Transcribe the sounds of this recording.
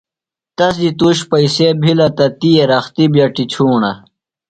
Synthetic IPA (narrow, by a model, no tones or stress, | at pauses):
t̪ɐsd̪it̪uːɕpɐisebʱilɐt̪ɐt̪ijeɾɐxt̪ibjɐʈit͡ɕʰuːɳɐ̰